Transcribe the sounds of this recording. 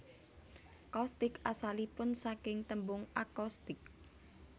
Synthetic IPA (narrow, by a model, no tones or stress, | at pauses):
kɔst̪ɪkasalipʊnsakɪŋt̪əmbʊŋakɔst̪ɪk̚